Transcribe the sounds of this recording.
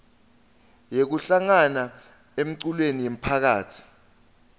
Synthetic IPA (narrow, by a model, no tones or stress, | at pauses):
jek̬uɬaŋana | em̩ǀulwenijem̩pʰak̬aːtʰi̥